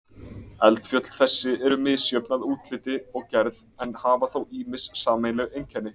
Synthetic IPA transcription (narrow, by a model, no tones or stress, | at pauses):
ɛlt̪fjœt̪l̥θɛsːɪɛɾʏmɪðsjœpnaðuːt̪lɪːt̪ɪɔɣcɛɾðɛnhaːvaθowiːmɪssaːmejlɛɣejŋcʰɛnːɪ